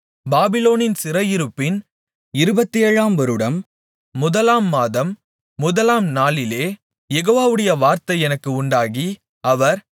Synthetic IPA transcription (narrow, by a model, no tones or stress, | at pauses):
baːbɪloːnɪnsɪrɐjɪɾɯpːɪn | ɪɾɯbɐt̪ːieːɻaːmʋɔɾɯɽɐmː | ʊðɐlaːmːaːðɐmː | ʊðɐlaːmnaːlɪleː | jɛɣoːʋaːʋɯɽɐjɐʋaːɾt̪ɐɪɛnɐkːɯʊɳɖaːɣi | ɐʋɐɾ